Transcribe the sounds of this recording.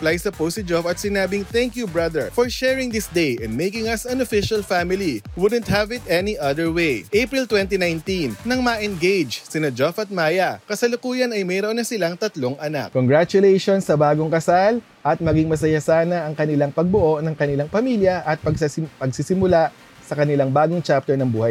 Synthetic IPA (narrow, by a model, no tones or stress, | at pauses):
plajsɐpowsɪd͡ʒofɐt̪̚sɪnaːbɪŋθɛŋkjubɹɐd̪ɛɹfɔɹʃɛɹɪŋd̪ɪsd̪ejɛ̰̃nmejkɪ̃ŋɐsɐ̃nofɪʃɐlfamɪliwʊd̪ənt̪hɐvɪt̪ɛniʔɐðɛɹwejʔepɹilt̪wɛ̃nt̪inajnt̪ĩnːɐŋmɐʔɛnɡejd͡ʒsɪnɐd͡ʒofɐt̪̚maːjɐkɐsɐlʊkuːjɐnɐjmɛɾownɐsɪlaŋt̪ɐt̪loŋʔɐna̰k̚koŋɡɹat͡ʃʊlejʃo̞nsɐbaːɡoŋkɐsal | ʔɐt̪̚mɐɡiŋmɐsɐjasaːnɐʔɐŋkɐnɪlaŋpɐɡ̚bʊʔo̞ʔnɐŋkɐnɪlaŋpɐmiljɐʔɐt̪̚pɐɡsɐpɐɡsisɪmʊlaʔ | sɐkɐnɪlaŋbaːɡoŋt͡ʃap̚t̪ɛɹnɐŋbuːhɐj